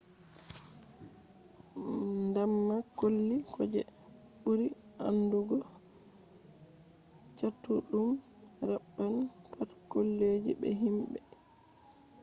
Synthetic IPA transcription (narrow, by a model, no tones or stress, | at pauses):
ndamːakolːikʰɔd͡ʒɛ̰ | ɓuɾi | a̰nduɡɔ | t͡ʃatːuɗum | ɾaɓːan | pʰatkolːed͡ʒḭɓɛ̰ɦimbɛ